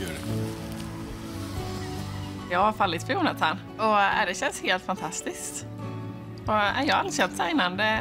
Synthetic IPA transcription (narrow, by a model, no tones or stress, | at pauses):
jɑːɡhaɾfalːɪt̪fɾœjuːnat̪ʰan | ɔæ̰dɛɕɛnsheːlt̪fant̪ʰast̪ɪskt̪ | ɔæ̰jɑːa̰lsɛlt̪sajnand̪ə